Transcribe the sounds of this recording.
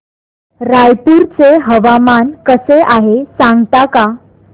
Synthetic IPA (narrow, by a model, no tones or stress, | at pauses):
ɾajpuɾt͡seɦəʋamankəseʔaɦesãŋɡt̪aka